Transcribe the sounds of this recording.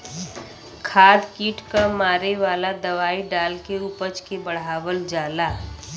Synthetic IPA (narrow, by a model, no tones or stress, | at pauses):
kʰaːd̪kiːʈkamaːɾeʋaːlad̪əʋaːiɖaːlkeupət͡ʃkebəɽ̤aːwəld͡ʒaːlaː